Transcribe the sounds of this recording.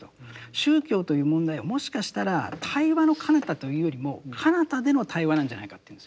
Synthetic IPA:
oɕɨːkʲo̞ːt̪o̞jɯ̟ːmõ̞nd̪aiβomo̞ɕi̥kaɕi̥t̪aɾat̪ʰaiβano̞kʰanat̪at̪o̞jɯ̟ːjo̞ɾʲimo̞kʰanat̪ad̪e̞no̞t̪ʰaiβanãɲ̟d͡ʑa̰naikḁt̪eiɯ̃nesɨ̥

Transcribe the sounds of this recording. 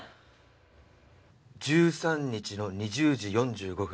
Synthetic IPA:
d͡ʑɨːsãɲ̟ːit͡ɕino̞ɲ̟iʑɨːʑijõ̞ɲd͡ʑɨːɡo̞ɸɯ

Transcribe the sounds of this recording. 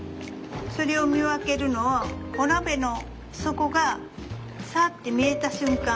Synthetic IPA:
so̞ɾe̞o̞mʲiβake̞ɾɯ̟no̞βaonabe̞no̞ | so̞ko̞ɡa | saːt̪ːe̞mʲie̞t̪aɕɨ̃ŋkã

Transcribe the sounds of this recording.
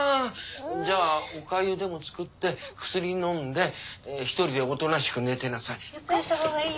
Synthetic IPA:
d͡ʑaːokaiod̪e̞mo̞t͡sɨ̥kɯ̟t̪ːe̞kɯ̟̥sɨɾʲinõ̞nd̪e̞çi̥t̪o̞ɾʲid̪e̞ot̪o̞naɕi̥kɯ̟ne̞t̪e̞nasai

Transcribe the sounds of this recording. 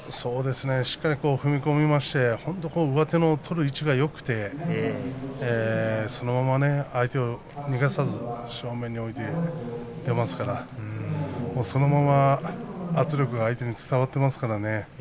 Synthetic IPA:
so̞ːd̪e̞sɨne̞ɕi̥kːaɾʲiko̞ːɸɯ̟mʲiko̞mʲimaɕi̥t̪e̞hõ̞nt̪o̞ko̞ːɯ̟βat̪e̞no̞t̪ʰo̞ɾɯ̟it͡ɕiɡajo̞kɯ̟̥t̪e̞ | eso̞no̞mamane̞ait̪e̞o̞ | ɲ̟iɡasazɨɕo̞ːmẽ̞ɲ̟ːio̞it̪e̞ | d̪e̞masɨ̥kaɾa | mo̞ːso̞no̞mamaː | t͡sɨɾʲo̞kɯ̟ɡaːit̪e̞ɲ̟it͡sɨ̥t̪aβat̪ːe̞masɨ̥kaɾane̞

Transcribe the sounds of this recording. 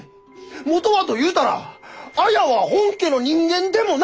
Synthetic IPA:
mo̞t̪o̞βat̪o̞jɯ̟ːt̪aɾa̰ajaβahõŋke̞ːno̞ɲ̟ĩŋɡẽ̞nd̪e̞mo̞n

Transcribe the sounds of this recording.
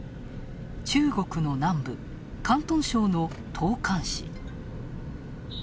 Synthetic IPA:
t͡ɕɨːɡo̞kɯ̟no̞nãmbɯ̟ | kãnt̪õ̞ɰ̃ɕo̞ːno̞ | t̪ʰo̞ːkʰãɰ̃ɕḭ

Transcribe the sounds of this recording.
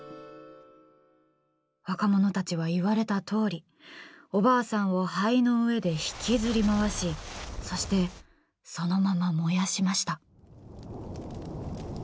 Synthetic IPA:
βakamo̞no̞t̪at͡ɕiβ̞aiβaɾe̞t̪at̪ʰo̞ːɾʲi | o̞baːsãɰ̃o̞haino̞ɯ̟e̞d̪e̞çi̥kʲizɨɾʲimaβaɕiso̞ɕi̥t̪e̞ | so̞no̞mamamo̞jaɕimaɕi̥t̪a

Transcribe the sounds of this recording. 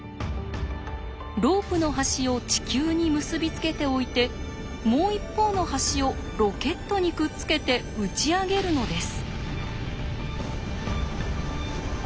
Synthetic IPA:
ɾo̞ːpɯ̟no̞ɦaɕio̞t͡ɕi̥kʲɨːɲ̟imɯ̟sɨbʲit͡sɨ̥ke̞t̪e̞o̞it̪e̞ | mo̞ːipːo̞ːno̞haɕio̞ | ɾo̞ke̞t̪ːo̞ɲ̟ikɯ̟t͡sɨ̥ke̞t̪e̞ | ɯ̟t͡ɕiaɡe̞ɾɯ̟no̞d̪e̞sɨ̥

